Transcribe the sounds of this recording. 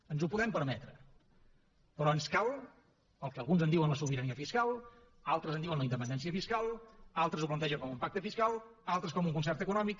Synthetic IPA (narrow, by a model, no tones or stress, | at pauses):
ənzupuðɛmpəɾmɛt̪ɾə | pɾɔənskalˠ | əlˠkəːlˠɣunzənd̪iwənləsuβiɾəniəfiskalˠ | alˠt̪ɾəzəndiuwənləind̪əpənd̪ɛnsiəfiskalˠalˠt̪ɾəzup̬lənt̪ɛʒəŋkɔmumpak̚t̪əfiskalˠalˠt̪ɾəskɔmuŋkunsɛrt̪əkunɔmik